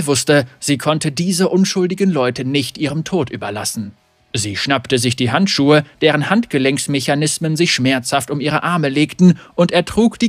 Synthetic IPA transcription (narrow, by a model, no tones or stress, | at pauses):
vʊstəz̥iːkʰɔntədiːzəʔʊnʃʊldɪɡn̩lɔʏtənɪçtʔiːʁəmtʰoːtʔy̰ːbɐla̰sn̩ | ziːʃnaptəzɪçd̥iːɦantʃuːəd̥eːʁ̞ənhantɡ̥əlɛŋsmeçanɪsmənzɪçʃmɛɐt͡shaftʊmʔiːʁ̞əʔaɐməleːktn̩ʔʊnteːɐtʁ̥uːkd̥iː